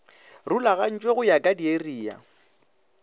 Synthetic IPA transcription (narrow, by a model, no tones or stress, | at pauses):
rulaɣan̩t͡ʃʼweɣʊjakʼadieriːja̰